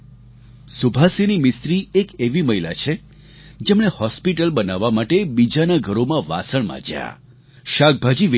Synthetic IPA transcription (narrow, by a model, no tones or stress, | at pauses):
subʱasenimɪst̪ɾiekeʋiməɦila̰t͡ʃʰe | d͡ʒemɳehɔspiʈəlbənaʋːamaʈebid͡ʒanaɡʱəɾomãʋa̰səɳ̃mã̰d͡ʒja̰ | ʃak̚bʱad͡ʒiʋ